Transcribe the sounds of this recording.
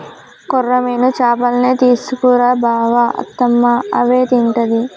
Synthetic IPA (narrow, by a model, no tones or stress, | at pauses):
kɔrːɐmeːnut͡ʃaːpɐlɐneːt̪iːsukuːɾaːbʱaːʋɐɐ̰t̪ːɐmːɐɐʋeːt̪iɳʈɐd̪i